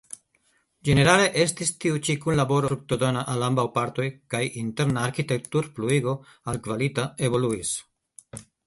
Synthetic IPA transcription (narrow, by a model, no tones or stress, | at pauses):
d͡ʒe̞ne̞ɾale̞ʔe̞stistiut͡ʃikunlabo̞ɾofɾuk̚t̪odo̞naʔalambawpaɾt̪o̞jkajinte̞ɾnaːɾkite̞k̚tuɾpluiɡo̞ | alkvalitaeβo̞luis